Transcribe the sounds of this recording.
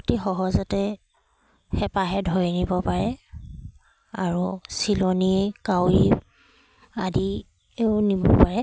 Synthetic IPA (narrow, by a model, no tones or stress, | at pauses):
tixɔɦɔzɔtɛ | xɛpaɦɛdʱojnibɔpaɹɛ | aɹusilɔnikawi | adi | eʊnibɔ̰paɹɛ